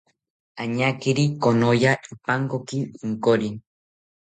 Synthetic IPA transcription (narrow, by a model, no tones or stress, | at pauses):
aɲakiɾikonojaʔipaŋkokiiŋkoɾin